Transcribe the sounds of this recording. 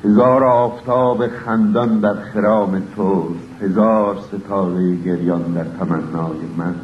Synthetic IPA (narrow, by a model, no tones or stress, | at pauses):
he̞zɒːɾɒːft̪ʰɒːbeχænd̪ɒnd̪æɾxeɾɒːmet̪ʰoːst̪he̞zɒːɾset̪ʰɒːɣejeɡeɾjɒnd̪æɾt̪ʰæmænːɒːjemæn